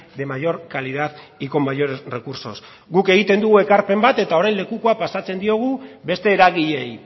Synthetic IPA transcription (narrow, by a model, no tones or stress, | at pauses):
d̪e̞majo̞ɾkaliðaðiko̞majoɾere̞kuɾso̞s | ɡuke̞ɣit̪e̞nd̪uɣue̞kaɾpe̞mbat̪e̞t̪ao̞ɾajnle̞kuko̞apasat͡se̞nd̪io̞ɣ̞ube̞st̪e̞ːɾaɣiʎe̞j